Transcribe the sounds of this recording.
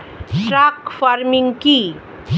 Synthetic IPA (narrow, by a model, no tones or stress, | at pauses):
sɾakfaɾmiŋki